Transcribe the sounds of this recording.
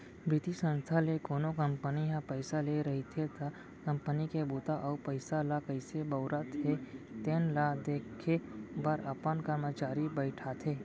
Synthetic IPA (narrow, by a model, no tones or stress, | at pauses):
bɪt̪isə̃nst̪ʰalekoːnokə̃mpəniɦãpəɪsaleɾɐɦit̪ʰet̪a | kɐ̃mpənikebuːt̪aʔɔːpəɪsalakəɪsebəʊɾat̪ʰet̪eːnlad̪eːkʰːebəɾəpənkəɾmət͡ʃaːɾibəɪʈʰat̪ʰeː